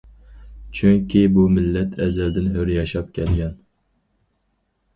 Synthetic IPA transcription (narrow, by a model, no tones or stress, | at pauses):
t͡ʃʰyŋkʲibumɪlːɛt̪ʰɛzɛld̪ɪnɦøɾjɑʃɑp̚kʲʰɛlɡʲɛn